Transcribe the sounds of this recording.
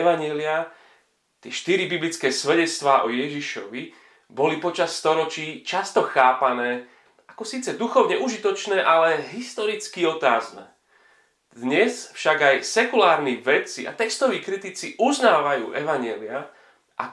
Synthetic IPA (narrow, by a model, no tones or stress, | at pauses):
ɛʋaɲɛlia | t̪ɪɛʃt̪iɾibiblit͡skɛːsʋɛɟɛt͡st̪ʋaːʔɔjɛʒiʃɔ̰ʋi | bɔlipɔt͡ʃasːt̪ɔɾɔt͡ʃiːt͡ʃast̪ɔxaːpanɛː | akɔsiːt͡sɛd̪uxɔʊɲɛʔuʒit̪ɔt͡ʃnɛːʔalɛɦist̪ɔɾit͡skiɔt̪aːznɛ̰ː | d̪ɲɛsfʃaɡajsɛkulaːɾniʋɛt͡sia̰t̪ɛkst̪ɔʋiːkɾit̪it͡siʔuznaːʋajuːʔɛʋaɲɛlia | ʔa̰